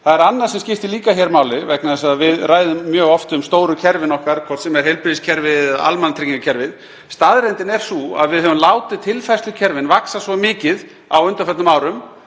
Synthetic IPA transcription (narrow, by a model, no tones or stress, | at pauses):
θaðɛɾanːaɾ̥sɛmscɪft̪ɪliːkaçɛɾmaːwlɪvɛknaðɛsaðvɪðraːjðʏmːjœːɣɔft̪ʏmst̪oːwɾʏcʰɛɾvɪnɔhkaɾ̥kʰɔr̥t̪sɛmɛɾ̥hejlpɾɪðiscʰɛɾvɪðða̰lmanat̪ɾiciŋkacʰɛɾvɪð | st̪aðɾɛnt̪ɪnɛɾ̥sua̰ðvɪðhœvʏmlaːwt̪ɪðt̪ʰɪlfajslʏcʰɛɾvɪnvaksasvɔmɪːcɪð | awʏnt̪afɛt̪nʏmaːwɾʏm